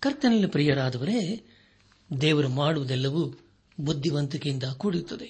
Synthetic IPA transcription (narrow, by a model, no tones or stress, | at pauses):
kɐɾt̪ɐnɐlːipɾijɐɽaːd̪ɐʋɐɾeː | d̪ɛːʋɐɾumaːɽuʋud̪ɛlːɐʋu | bud̪ʱːiʋɐnt̪ukijind̪ɐkuːɽiɾut̪ːɐd̪e